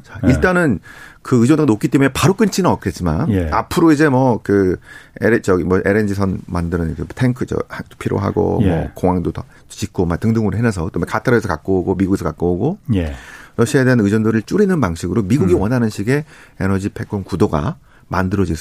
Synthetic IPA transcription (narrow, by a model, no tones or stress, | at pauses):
t͡ɕaiɭt͈anɯnkɯɯd͡ʑʌndɡanok͈it͈e̞munepaɾok͈ɯnt͡ɕʰinɯnʌk͈e̞t̚t͡ɕ͈ima̰na̰pʰɯɾoid͡ʑe̞mʌkɯeɾt͡ɕʌimʌʔe̞ɾend͡ʑisʰʌnmandɯɾɯnetʰeŋkʰɯt͡ɕʌ̰hḁpʰiɾo̰ɦa̰ɡo̰mʌ̰koŋaŋdotʌ | t͡ɕik͈omak̚tɯŋdɯŋɯɾoɦenasʰʌɯt͈omekʰatʰaɾʌesʰʌk͈ak͈ooɡomiɡuɡe̞sʰʌkak͈ooɡojɾʌɕʰiaedeanɯd͡ʑʌndɯɾɯɭt͡ɕ͈uɾinɯnpaŋɕʰiɡɯɾomiɡuɡiwʌnɦanɯnɕʰiɡe̞enʌd͡ʑipʰe̞k͈ʰoŋkudoɡa̰ | mandɯɾʌd͡ʑisʰ